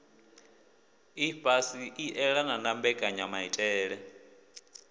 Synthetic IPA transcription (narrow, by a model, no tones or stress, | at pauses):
ibʼasiʔiʔɛɺananambɛkʼaɲamaitʼɛːɺɛ